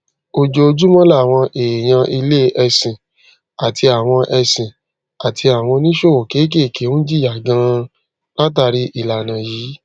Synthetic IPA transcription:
o˦˨d͡ʒo˧d͡ʒu˦mɔ̃˦la˦˨w̃ɔ̃˧ʔe˨j̃ã˧ʔi˧le˦˨ʔɛ˧sĩ˨ | a˨tʰi˧a˨w̃ɔ̃˧ʔɛ˧sĩ˨ | a˨tʰi˧a˨w̃ɔ̃˧nĩ˦ʃo˦˨o˨ke˨˦k̬e˦˨ke˨˦d͡ʒi˦ja˨ɡã˧ | la˦t̬a˧ɾi˧ʔi˦˨la˨nã˨jiː˨˦

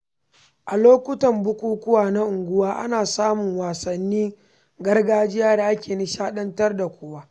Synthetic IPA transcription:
ʔa˨loː˦kʷʊ˦tɐ˨mbʊ˦kʷuː˦kʷʊ˦waː˨na˦ʔʊ˨ŋɡʷʊ˦waː˦ʔa̰˦naː˨saː˦mʊ˨ŋwaː˨sɐ˨nːiː˦ | ɡɐ˦rɡaː˦d͡ʒɪ˦jaː˦da˨ʔa˦kʲeː˨ni˦ʃaː˦ɗɐ˦ntɐ˦rda˨kʷoː˦waː˦

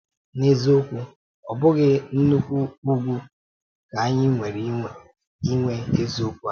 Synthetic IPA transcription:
ne˦zo˦kʷu˦ | ɔ˨bʊ˦ɡɪ˦n̩˦nu˦kʷu˦u˦ɡʷu˦ | ka˨a˦ɲɪ˦ŋʷe˨ɾi˦ŋʷe˨ | i˦ŋʷe˦e˦zo˦kʷu˦a˦

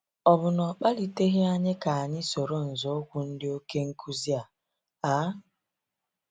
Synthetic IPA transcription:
ɔ˨bʊ˨nɔ˨k͡pa˦li˨te˦ɣɪ˦a˦ɲɪ˦ka˨a˨ɲɪ˦so˨ɾo˦n̩˨zo˨˦kʷʊ˨n̩˦dɪ˦o˦ke˦ŋ̩˦kʰu˦zi˦a˨ | a˦

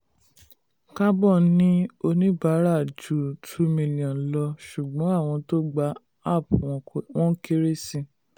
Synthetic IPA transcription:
ka˦bɔ˦˨nĩ˦o˧nĩ˦ba˨˦ɾa˦˨d͡ʒu˨tʰu˧˦mĩ˧˨lĩ˨ɔ̃˨lɔ˧ʃu˨ɡ͡bɔ̃˨˦a˦˨w̃ɔ̃˧to˦ɡ͡ba˨˦ | a˦˨pũ˨w̃ɔ̃˨kw̃ɔ̃˦ke˦ɾe˦sĩ˧

